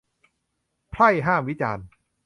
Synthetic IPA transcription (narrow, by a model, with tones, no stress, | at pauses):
pʰɾa˥˩jɦaː˥˩mwi˦˥t͡ɕaː˧n